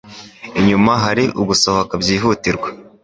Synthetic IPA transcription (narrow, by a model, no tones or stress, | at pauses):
iɲumaɦaɾiʔuɡusohokabɟiːɦutiɾɡwa